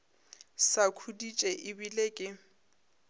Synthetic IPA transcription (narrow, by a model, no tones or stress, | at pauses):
sakʰudit͡ʃʼɛʔɪbilekʼɪ